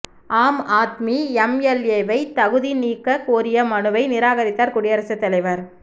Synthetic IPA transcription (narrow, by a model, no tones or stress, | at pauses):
ʔaːmaːt̪miɛmjɛljeːʋɐɪt̪ɐɣɯðiniːkːɐkoːɾɪjɐmɐɳɯʋɐɪnɪɾaːɣɐɾɪt̪ːaːɾkʊɽɪjɐɾɐsɐt̪ːɐlɐɪʋɐɾ